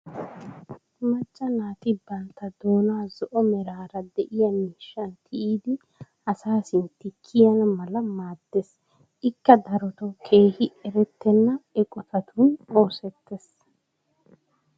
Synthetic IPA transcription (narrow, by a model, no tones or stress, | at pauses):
mɐt͡ʃːɐnaːt̪ɪbɐnt̪ɐd̪o̞ːnaːzɔʔɔmɛɾaːɾɐd̪ɛʔɪjɐmiːʃːɐnt̪ʰɪʔiːd̪ɪ | ɐsaːsɪnt̪ɪkʰːɪjɐnmɐlɐmaːd̪ːes | ʔɪkːɐd̪ɐɾɔt̪ɔkʰe̞ːhɪɛɾɛt̪ːɛnːɐɛkʼɔt̪ʰɐt̪ʰuːno̞ːsɛt̪ːes